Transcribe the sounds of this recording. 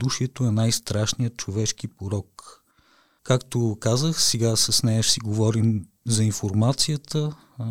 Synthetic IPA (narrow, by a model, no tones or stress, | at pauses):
d̪uʃiɛt̪oɛnajst̪ɾaʃnijət̪̚t͡ʃovɛʃk̟ipoɾɔk | kakt̪okazəxsɛɡasɐsnɛjəʃsiɡovɔɾim | zɐinfoɾmat̪sijət̪ə